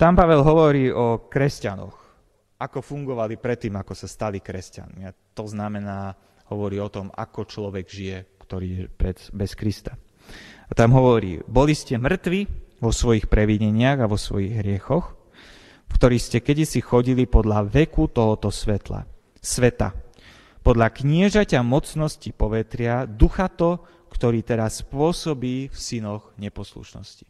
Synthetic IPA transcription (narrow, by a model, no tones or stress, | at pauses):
t̪ampaʋɛlɦɔʋɔɾiːʔɔkɾɛscanɔ̰x | akɔfuŋɡɔʋalipɾɛt̪ːiːmakɔsast̪alikɾɛsca̰nmiat̪ɔznamɛnaː | hɔʋɔɾiːɔt̪ɔma̰kɔt͡ʃlɔʋɛɡʒijɛkt̪ɔɾiːjɛpɾɛbɛskɾist̪a | at̪amɦɔʋɔɾḭːbɔliscɛmr̩t̪ʋiʋɔsʋɔjixpɾɛʋiɲɛɲɪaɣaʋɔsʋɔ̰jiɣɦɾɪɛxɔx | fkt̪ɔɾiːscɛkɛdisixɔɟilipɔd̪ʎaʋɛkut̪ɔɦɔt̪ɔsʋɛt̪la̰ | sʋɛt̪a̰ | pɔd̪ʎakɲɪɛʒacamɔt͡snɔscipɔʋɛt̪ɾɪad̪uxat̪ɔ | kt̪ɔɾiːt̪ɛɾaspʊɔsɔbiːfsinɔɣɲɛpɔslṵʃnɔ̰sci̥